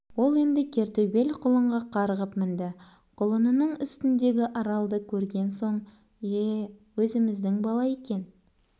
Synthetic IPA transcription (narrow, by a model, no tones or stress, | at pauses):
wo̞lˠe̞nd̪ɪkʲʰe̞ɾt̪obe̞lʲqʰʊlˠəɴʁɑqʰɑɾəʁəpmɪnd̪ɪ | qʰʊlˠənənəɴʏst̪ɪnd̪e̞ɡʲɪʔɑɾɑlˠd̪əkʲʰɵɾɡʲe̞nso̞ɴ | ewɵzɪmɪzd̪ɪŋbɑlˠɑje̞kʲe̞n